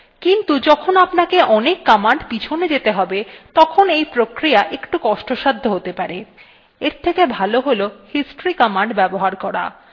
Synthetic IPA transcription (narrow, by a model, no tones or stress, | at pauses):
kint̪ud͡ʑɔkʰonapnakeʔɔnekːɔmaɳɖpit͡ɕʰoned͡ʑet̪eɦɔbet̪ɔkʰonejpɾokɾijaʔekʈukɔʃʈoʃad̪ʱːoɦot̪epaɾe | eɾt̪ʰekebʱaloɦolohisʈoɾikɔmaɳɖbɛboɦaɾkɔɾa̰